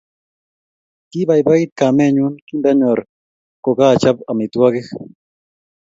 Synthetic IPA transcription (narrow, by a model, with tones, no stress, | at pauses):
ki˦ba˨jba˦ɡi˦t̪̚ka˨mɛ˦˨ɲu˦nki˦nda˦ɲɔ˨ɾ | kɔ˨ka˦˨t͡ʃa˦ba˨mi˨t̪wa˦ɡɪ˦x